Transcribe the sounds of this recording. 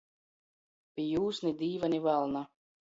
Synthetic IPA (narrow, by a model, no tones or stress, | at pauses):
pʲijuːsnid̪ʲiːvanivalˠna